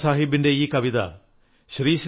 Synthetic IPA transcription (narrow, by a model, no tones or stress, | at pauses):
saːɦibɪɳɖeiːkɐʋid̪a̰ | ʃɾiːʃ